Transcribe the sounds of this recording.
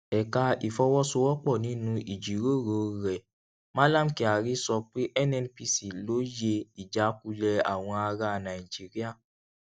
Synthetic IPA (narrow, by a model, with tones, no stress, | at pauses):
ɛ˨ka˧i˨fɔ˧wɔ˦so˧wɔ˦k͡pɔ˦˨nĩ˨˦nũ˧i˨d͡ʒi˨ɾo˦˨ɾo˨ɾɛ˨ | mã˦lã˦˨m˨ki˨a˨ɾi˦sɔ˧k͡pe˦ʔɛ˦nɛ˧npi˧si˨lo˨˦je˧i˨d͡ʒa˨˦k̚u˧lɛ˧a̰˨w̃ɔ̃˧a˧ɾa˧nã˨i˨d͡ʒi˦ɾi˦a˦˨